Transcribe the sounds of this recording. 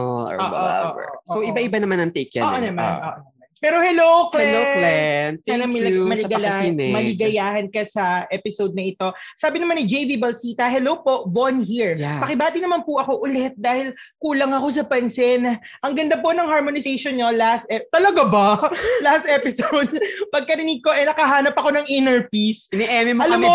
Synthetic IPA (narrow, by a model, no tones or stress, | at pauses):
o̰ʔːʔoo̰ːʔsowʔɪbaʔɪbanɐmanɐŋt̪ekɛ̰oːʔonɐma̰nʔoːʔonɐmanpɛːɾohɛlowklɛɛoklɛɐlɐmɪmɐlɪɡɐjahnmɐlɪɡɐjaːhɐnkɐsɐʔɛːpɪsowd̪̚nɐʔɪt̪o̞saːbɪnɐmanɪd͡ʒejvibɐlsiːt̪ɐɦɛlowpo̞ʔvonɦiɹjpɐkɪbaːt̪ɪnɐmanpʊʔɐko̞ʔʊlɛt̪̚d̪aːhɪl | kuːlɐŋɐko̞s̬ɐpɐnsɛn | ʔɐŋɡɐnd̪apo̞nɐŋhaɹmonɪsejʃonːolast̪ʔɛt̪ɐlɐɡabɐlast̪̚ʔɛpɪsowd̪̚pɐɡ̚kɐɾɪniɡ̚koʔɛnɐkɐɦaːnɐpɐko̞nɐŋʔinɛɹpisniɛmɪmɐɐlɐmo